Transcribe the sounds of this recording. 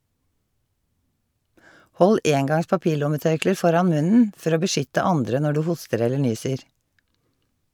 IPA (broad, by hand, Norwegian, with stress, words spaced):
ˈhɔl ˈʔeːŋˌɡɑŋs pɑˈpiːˌlʊməˌtœɹkləɹ ˈfɔɾɑn ˈmʉnn̩ ˈfɔɾ ˈoː bəˈʃʏtə ˈɑndɾə ˈnɔ ˈɖʉː ˈhʊstəɾ ˈɛlə ˈɳyːsəɹ